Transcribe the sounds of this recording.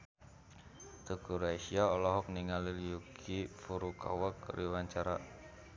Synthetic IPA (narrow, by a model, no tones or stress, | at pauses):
t̪əkuɾaisiaɔlɔɦɔk̚niŋaliljukʰifuɾuka̰wakɾiwaɲt͡ʃaɾa